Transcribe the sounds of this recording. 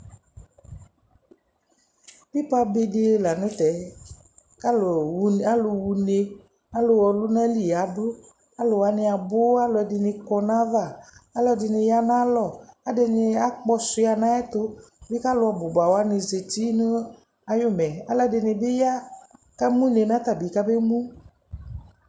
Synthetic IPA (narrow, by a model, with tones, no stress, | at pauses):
bi˦pa˦be˨de˦la˨nʊ̃˦t̪ɛ˨˦ | ka˦la˦lo˨wu˨ne˧ | a˦lo˨wɔ˨lu˦nã˦li˨a˨˦ɖo˦ | a˦lo˨wa˨˦ne˧a˨bo˦a˦lʊ˨ɛ˨dɪ˨ne˧kɔ˦nã˦va˦˨a˦lɔ˧˨dɪ˨˧nɪ˧ja˦nã˦lɔ˨a˨de˧nɪ˧a˦k͡pɔ˦sʊ˧˦a˨nã˦ɛ˦t̪ʊ˦be˦ka˦lʊ˨˦ɔ˨bʊ˨ba˨wa˨˦nɪ˧ze˨t̪i˦nʊ˦ | a˨jo˦mɛ˨a˦lɔ˦˨de˨nɪ̃˨be˦ja˦ | ka˦mũ˦ne˨nã˦t̪a˨bi˨ka˦be˦mũ˦